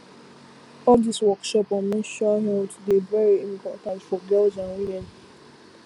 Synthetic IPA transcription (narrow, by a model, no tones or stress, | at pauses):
ɔdiswɔkʃɔpɔmĩʃɔɦɛlddevɛɹiĩmpɔtãntfɔɡɛld͡ʒãnilãn